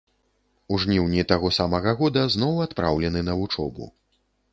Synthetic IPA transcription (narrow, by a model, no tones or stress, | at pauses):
uʐnʲiwnʲit̪aɣɔsamɐɣɐɣɔd̪ɐznɔwat̪pɾʔawlʲɛnɨnɐvut͡ʂɔ̰bṵ